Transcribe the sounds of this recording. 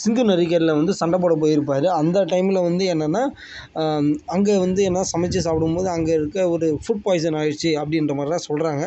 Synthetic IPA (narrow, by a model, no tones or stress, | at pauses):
sɪŋɡɯnɐɾɪkːɐɾɪlɐʋɐnd̪ɯsɐɳɖɐp̬oːɽɐp̬oːjɪɾɯp̬ːaːɾɯɐnd̪ɐʈɐɪmɪlɐʋɐnd̪ɯɛnːɐnːaː | ɐŋɡeːʋɐnd̪ɯɛnːaːsɐmɐt͡ʃːɐs̬aːpːɯɽɯmpoːðɯɐŋɡɐɪɾɯkːɐɔɾɯfʊʈ̚paːjs̬ɐnaːjɪɾt͡ʃːɯɐpːɐɽɪɪnrɐmaːd̪ɾɪlãːsɔlɾaːŋɡɐ